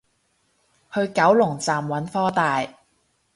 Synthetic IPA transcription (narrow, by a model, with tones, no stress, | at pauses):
hɵ˧ɥkɐ˨˥wlʊ˨˩ŋt͡saː˨mwɐ˨˥nfɔː˥t̪aː˨j